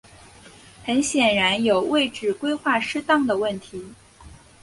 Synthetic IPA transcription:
xə˧˥nɕjɛ˨˩nɻa˧˥njo˨˩ʊwe˥˩ɪʈ͡ʂɻ̩˨˩kwe˥ɪxwa˥˩ʂɻ̩˥t̪ɑ˥˩ŋd̪ə˩wə˥˩nt̪ʰi˧˥

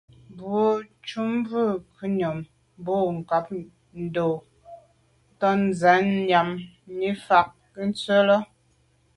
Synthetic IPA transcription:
bwo˨˦t͡ʃu˦mvʉ˦˨kʰʉ˦ɲɔ˨m | bo˦˨ŋ̩˨ka˨˦p̚ | n̩˨˦do˨ | tɔ˦n˦za˨˦ɲja˨m | ni˦fa˨k̚ | kə˦n̩˦t͡sə˦lɔ˦

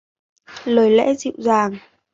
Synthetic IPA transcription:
ləː˨˩jlɛ̰˧˥zḭ˧˨wzaː˨˩ŋ

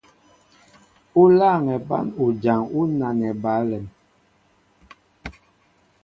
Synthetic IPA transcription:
u˦la˦˨ŋɛ˨ba̰˦nu˨d͡ʒa˨ŋu˦na˨nɛ˨ba˨˦lɛ˨m

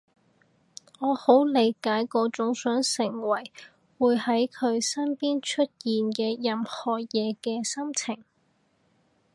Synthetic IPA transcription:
ɔː˨˧ho˨˥wle˨˧jkaː˨˥jkɔː˧t͡sʊ˨˥ŋsœː˨˥ŋsɪ˨˩ŋwɐ˨˩j | wuː˨˧jhɐ˨˥jkʰɵ˨˧ɥsɐ˥npiː˥nt͡ʃʰɵ˥t̚jiː˨nkɛː˧jɐ˨mhɔː˨˩jɛː˨˧kɛː˧sɐ˥mt͡sʰɪ˨˩ŋ

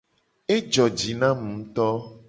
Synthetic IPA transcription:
e˦d͡ʒɔ˨d͡ʒi˨nã˦mũ˨˦t̪ɔ˦

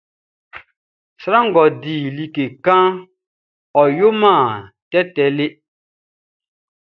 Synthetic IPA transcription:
sɾa˦ŋ̩˨ɡɔ˨diː˨li˨ke˨kã˦ | ɔ˨jo˦mãː˦˨ | tɛ˦tɛ˨le˦

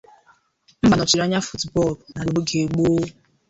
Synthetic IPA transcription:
m̩˦ba˨nɔ˨t͡ʃi˨ɾa˦ɲa˦fu˦tbɔ˦˨lna˨lo˨bo˦ɡe˨ɡ͡boː˦

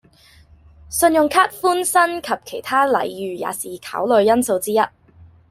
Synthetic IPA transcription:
sɵ˧njʊ˨ŋkʰaː˥t̚fuː˥nsɐ˥nkʰɐ˨p̚kʰe˨˩jt̪ʰaː˥lɐ̰˨˩jjyː˨ja̰ː˨˩siː˨kʰa̰ː˨˥wlɵ˨˧ɥjɐ˥nso˧wt͡siː˥jɐ˥t̚

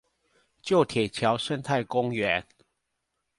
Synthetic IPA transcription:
t͡ɕjo˥˨ʊt̪ʰjɛ˨˩t͡ɕʰjɑ˨˦ʊʂə˦nt̪ʰa˥˨ɪkʊ˦ŋɥɛ˨˦n

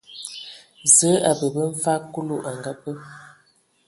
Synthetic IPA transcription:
zə˨˦a˨bə˨bə˦ɱ̩˦fa˦ku˦lu˦ʔa˨ŋɡa˦pə˦

